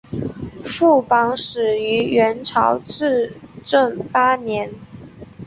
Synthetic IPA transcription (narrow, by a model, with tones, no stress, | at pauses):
fu˥˩pɑ˧˥ŋʂɻ̩˨˩y˧˥ɥɛ˧˥nʈ͡ʂʰɑ˧˥ʊʈ͡ʂɻ̩˥˧ʈ͡ʂə˥˩ŋpa˥njɛ˧˥n